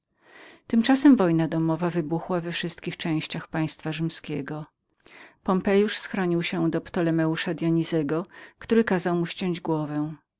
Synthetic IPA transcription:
t̪ɘmt͡ʂasɛmvɔjnad̪ɔmɔvavɘbuxwavɛfʂɘst̪̚kʲixt͡ʂɛ̃w̃ɕt͡ɕaxpaj̃st̪faʐɘmskʲeɡɔ | pɔmpɛjuʂsxɾɔɲiwɕɛd̪ɔpt̪ɔlɛmɛuʂad̪jɔɲizɛɡɔkt̪uɾɘkazawmuɕt͡ɕɔ̃ɲd͡ʑɡwɔvɛ̃w̃

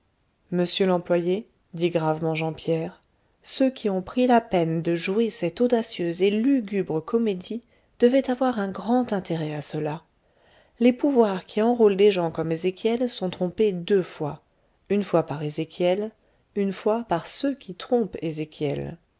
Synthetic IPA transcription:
məsjølɑ̃plwaje | d̪iɡʁavmɑ̃ʒɑ̃pjɛʁ | søkʲiɔ̃pχilapɛnd̪əʒuesɛt̪od̪asjøzelyɡʲybʁəkɔmed̪i | d̪̥əvɛt̪avwaʁɛ̃ɡʁɑ̃t̪ɛ̃t̪eʁɛasəla | lepuvwaʁkʰʲiɑ̃ʁold̪eʒɑ̃kɔmezekʲjɛlsɔ̃t̪χɔ̃ped̪øfwa | ynfwapaʁezekʲjɛl | ynfwapaʁsøkʲʰit̪χɔ̃pezekʲjɛ̰l

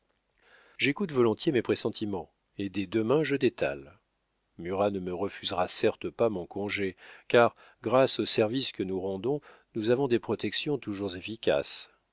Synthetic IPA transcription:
ʒekut̪vɔlɔ̃t̪jemepχesɑ̃t̪ʰimɑ̃ | ed̪ɛd̪əmɛ̃ʒəd̪et̪ʰa̰l | myʁanəməʁəfyzʁasɛʁt̪əpamɔ̃kɔ̃ʒekaʁ | ɡʁasosɛʁviskənuʁɑ̃d̪ɔ̃ | nuzavɔ̃d̪epχɔt̪ɛksjɔ̃t̪uʒuʁzefikʲa̰s

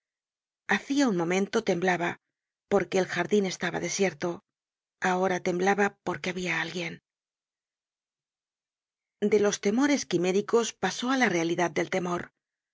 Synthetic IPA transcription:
aθiaunmõ̞mẽ̞nt̪o̞t̪e̞mblaβa | po̞ɾke̞ːlxaɾðine̞st̪aβa̰ðe̞sje̞ɾt̪o̞ | ao̞ɾat̪e̞mblaβapo̞ɾke̞aβiaalɡje̞n | d̪e̞lo̞st̪e̞mo̞ɾe̞skime̞ɾiko̞spaso̞alare̞aliðað̚d̪e̞lt̪e̞mo̞ɾ

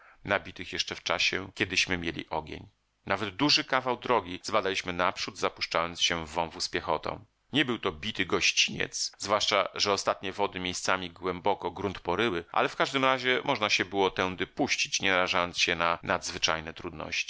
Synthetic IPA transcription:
nabʲit̪ɘxjɛʂt͡ʂɛft͡ʂaɕɛkʲɛd̪ɘɕmɘmʲjelʲḭʔɔɡʲḛɲ | navɛd̪d̪uʐɘkavawd̪ɾɔɡʲizbad̪alʲiɕmɘnapʂud̪zapuʂt͡ʂajɔnt̪sɕɛvːɔ̃w̃vuspʲjɛxɔt̪ɔ̰̃w̃ | ɲɛbɘwt̪ɔbʲit̪ɘɡɔɕt͡ɕiɲɛ̰t̪szvwaʂt͡ʂa̰ʐɛɔst̪at̪ɲɛvɔd̪ɘmʲjejst̪samʲiɡwɛmbɔkɔɡɾunt̪pɔɾɘwɘʔa̰lɛfkaʐd̪ɘmɾaʑɛmʔɔʐnaɕɛbɘwɔt̪ɛw̃d̪ɘpuɕt͡ɕi̥t͡ɕɲɛnaɾaʐajɔnsɕɛnanʔad̪zvɘt͡ʂa̰jnɛt̪ɾud̪nɔ̰ɕt͡ɕi̥

